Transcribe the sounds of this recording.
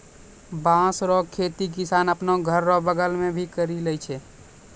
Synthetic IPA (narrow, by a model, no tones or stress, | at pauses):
bãsɾɔkʰet̪ik̬ɪsaːnəpnoɡʱəɾːɔbəɡəlmẽbʱikəɾiləjt͡ʃʰɛː